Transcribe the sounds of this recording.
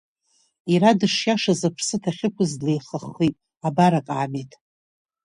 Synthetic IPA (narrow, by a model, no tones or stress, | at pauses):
iɾadɨʂjaʂazapʰsɨtʰaχʲɪkʷʊzdlejχəχːitʼ | abaɾakʼaːmejtʼ